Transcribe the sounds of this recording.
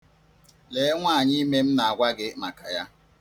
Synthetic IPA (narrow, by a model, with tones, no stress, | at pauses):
le˨˦ŋʷaː˦˨ɲi˦me˦m̩˦na˨a˨ɡʷa˦ɡɪ˦ma˨ka˨ja˦